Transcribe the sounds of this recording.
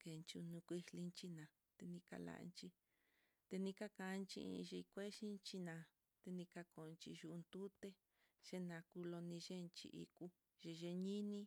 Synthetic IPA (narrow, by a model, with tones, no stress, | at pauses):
ke˨˧nt͡ʃu˧nũ˧kʷi˧hli˧nt͡ʃi˧nã˨ | t̪e˧nĩ˧ka̰˧la̰˧ʔnt͡ʃi˧ | t̪e˧nĩ˧ka˦kã˧nt͡ʃḭ̃˧ʒi˧kʷe˦ʃi˦nt͡ʃi˧nã˧˨ | t̪e˧nĩ˧ka˧ko˨˧nt͡ʃḭ˧ʒu˧nd̪u˦t̪e˦ | ʒ̥e˦nã˨˧ku˧lo˧nĩ˧ʒe˦˧nt͡ʃḭ˧ʔḭ˧ku˦ | ʒi˧ʒe˧ɲĩ˦nĩ˦